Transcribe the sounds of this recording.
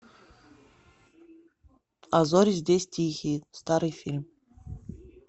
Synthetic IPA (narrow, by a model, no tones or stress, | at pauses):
azoɾʲizʲdʲesʲtʲixʲist̪ɑɾɨjfʲilʲmʲ